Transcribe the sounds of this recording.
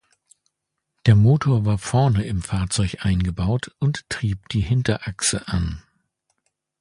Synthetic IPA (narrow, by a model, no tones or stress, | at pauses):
d̥eːɐmoːtʰoːɐvaːɐfɛɐnəɪmfaːɐt͡sɔʏçʔaɪnɡəbaʊtʔʊnttʁ̥iːp̚d̥iːhɪntɐʔaksəʔan